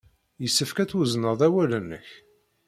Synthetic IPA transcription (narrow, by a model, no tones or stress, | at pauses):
jəsːəfkæθuznəðˤæwælənːə̰ç